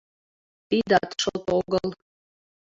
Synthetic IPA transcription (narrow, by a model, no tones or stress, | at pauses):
tid̪at̪ʰʂot̪ʼoɡəl